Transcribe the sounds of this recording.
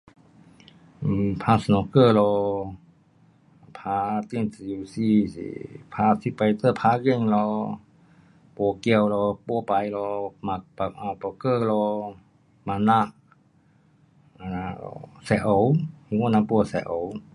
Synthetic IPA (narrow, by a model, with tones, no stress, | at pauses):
ʔpʰaː˧˦snɔ˧kəː˧˨lɔː˧ | pʰaː˧˦t̪i˧˥˨nsju˧si˧sḭ˧˨pʰaː˧si˧pa˧jt̪ə˧˨pʰaː˧˦ɣe˧˨ŋlɔ˧ | po˧ki˧ə˨wlɔ˧po˧˦pa˨jlɔ˧ma˧k̚pa˧˨k̚ʔa˧wpɔ˧˨kəː˧˥˨lɔː˧ | ma˧˨na˧˨ʔ | a˧˨na˧ɔ̰˧sɛ˧ʔa˨˧˦wŋɔ˧˨na˧˨pu˧ə˨sɛ˧ʔo˨˦w